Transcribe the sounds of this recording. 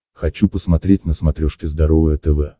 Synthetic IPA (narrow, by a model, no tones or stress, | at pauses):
xɐt͡ɕupəsmɐt̪ɾʲetʲnəsmɐt̪ɾʲoʂkʲɪzd̪ɐɾovəjət̪ɛvɛ